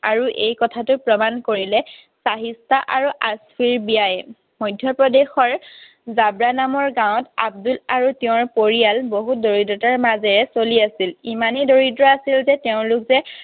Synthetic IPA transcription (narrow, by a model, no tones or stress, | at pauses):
aɹuʔejkɔtʰatʊpɹɔmankoɹilɛ | saɦistʰaʔaɹuʔaspʰiɹbijajɛ | mɔjdʱːjɔpɹɔdexɔɹ | zabɹanamɔɹɡãwɔ̃ta̰b̚dulaɹuteʊ̃ɹpoɹijalboɦut̚doɹidɹɔtaɹmazɛɹɛsoliasilimanidoɹidɹɔasilzɛteʊ̃lʊkzɛ